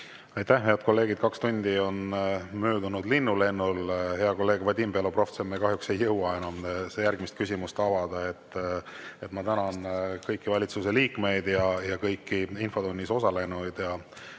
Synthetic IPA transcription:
ɑjt̪æhɦeɑd̪̚ko̞lːe̞ːɡ̥id̪̥̚kɑkst̪unʲd̪̥ʲio̞nmøːd̪unud̪linːule̞nːulhe̞ɑko̞lːe̞ːɡ̥vɑd̪ʲimpelopro̞ft̪semekɑɦjukse̞jːɤwɑe̞nɑmsejærɡ̥mist̪̚kys̬ʲimust̪ɑvɑd̪̥ɑe̞t̪ːe̞t̪mɑt̪ænɑnkɤjkːˑivɑlʲit̪sus̬e̞liːkme̞jd̪jɑjɑkɤjkːiinfo̞d̪unʲːiso̞sɑle̞nujd̪̥jɑ

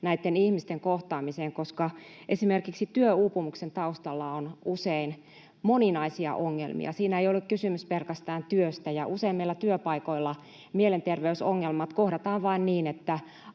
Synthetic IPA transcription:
næit̪ːenihmist̪eŋkoht̪ɑːmiseːŋkoskɑʔesimerkiksit̪yøuːpumuksent̪ɑust̪ɑlːɑonusein | moninɑisiɑ̰ʔoŋːḛlmḭɑ̰siːnæeijolːukkysymyspelkæst̪æːnt̪yøst̪æjɑʔuseimːeilːæt̪yøpɑikoilːɑ | mielent̪erʋeysoŋːelmɑt̪kohdɑt̪ɑːʋʋɑinniːnet̪ːæ

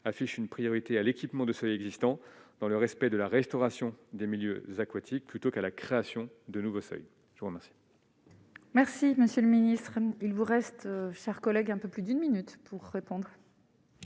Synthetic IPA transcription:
afiʃynpχijɔʁit̪ealekʲipmɑ̃d̪əsœjɛɡzist̪ɑ̃d̪̥ɑ̃ləʁɛspɛd̪əlaʁɛst̪ɔʁasjɔ̃d̪emiljø̰zakwat̪ʰik̚plyt̪okalakχeasjɔ̃ | d̪ənuvosœ̰j | ʒəvuʁəmɛʁsi̥ | mɛʁsiməsjøləminist̪χilvuʁɛst̪ʃɛʁkɔlɛɡɛ̃pøplyd̪ynminyt̪pʰuʁːepɔ̃d̪ʁ

